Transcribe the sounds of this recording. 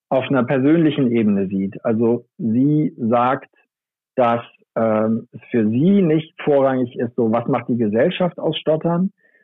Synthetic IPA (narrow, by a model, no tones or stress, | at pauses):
ʔaʊfnɐpʰɛɐzøːnlɪçn̩ʔeːbənəziːtʔalzoziːzaːkt | d̥as | ʔɛːmɛsfyːɐziːnɪçtfoːɐʁaŋɪçɪstz̥oːvasmaχt̚d̥iːɡəzɛlʃafta̰ʊsʃtɔtɐn